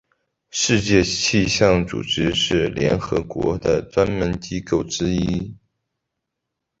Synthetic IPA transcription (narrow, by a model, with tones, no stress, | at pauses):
ʂɻ̩˥˧t͡ɕjɛ˥˧t͡ɕʰi˥˧ɕjɑ˥˩ŋt͡sṵ˨˩ʈ͡ʂɻ̩˥ʂɻ̩˥˩ljɛ̰˧˥nxɤ̰˧˥kwɔ̰˧˥d̪ə˧ʈ͡ʂwa˥nmə˧˥nt͡ɕi˥ko˥˩ʊʈ͡ʂɻ̩˥i˥